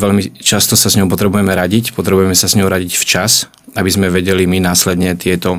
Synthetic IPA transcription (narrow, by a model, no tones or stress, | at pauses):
ʋɛʎmit͡ʃast̪ɔsazɲɔʊpɔt̪ɾɛbujɛmɛɾaɟicpɔt̪ɾɛbujɛmɛsazɲɔʊɾaɟicft͡ʃas | abizmɛʋɛɟɛliminaːslɛd̪ɲɛt̪ɪɛt̪ɔ